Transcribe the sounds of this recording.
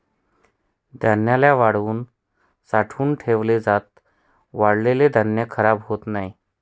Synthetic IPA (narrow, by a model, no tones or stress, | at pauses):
d̪ʱənjaljaʋaɽuːn | saʈʰuːnʈʰeʋled͡zat̪̚ | ʋaɽleled̪ʱənjəkʰəɾabɦot̪nai